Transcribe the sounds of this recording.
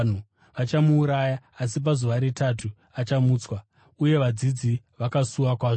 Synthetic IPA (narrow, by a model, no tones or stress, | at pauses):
n̤u | ʋat͡ʃamuːɾajaːs̬ip̬azuʋaɾetatʰu | at͡ʃamuːt͡swa | uje̞ʋad͡zid͡zi | ʋakasuwakwaːʐ